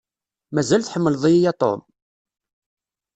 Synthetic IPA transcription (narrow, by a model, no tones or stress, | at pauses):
mæzælθħəmːəlðˤijijæt̪ˤo̰m